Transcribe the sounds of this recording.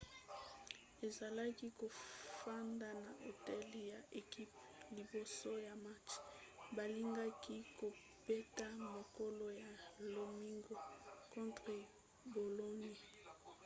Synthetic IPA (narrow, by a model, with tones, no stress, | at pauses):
e˨za˨la˦ki˦ko˨fa˦nda˨na˨ʔo˨tɛ˦li˦ja˨ʔe˨ki˦p | li˨bo˨so˦ja˨ma˦t͡ʃba˨li˦ŋɡa˦ki˦ko˨ | be˦ta˦mo˨ko˦lo˦ja˨lo˨mi˦ŋɡo˨kɔ̃˦ntʁe˨ | bo˨lo˦ɲe˨